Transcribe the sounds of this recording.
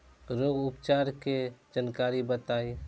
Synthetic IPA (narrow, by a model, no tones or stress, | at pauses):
ɾoːɡʊpt͡ʃaːɾked͡ʒənkaːɾibət̪aːi